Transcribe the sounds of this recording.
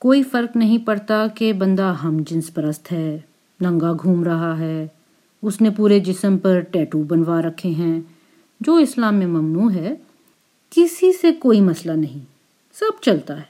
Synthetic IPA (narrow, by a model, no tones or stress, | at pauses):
koːifɐɾknɐɦĩpɐɽt̪akebɐ̃nd̪aɦɐmd͡ʒɪ̃nspɾəst̪ʰɦɛː | nɐ̃ŋɡaɡʱuːmɾɐɦaɦɛː | ʊsnẽpuːɾed͡ʒɪsəmpɐɾʈɛːʈubɐnʋaɾɐkʰːeɦɛ̃ | d͡ʒoːɪslaːmẽmɐmnuːɦɛː | kɪsisekoːimɐslanɐɦĩ | sɐb̚t͡ʃɐlt̪aɦɛː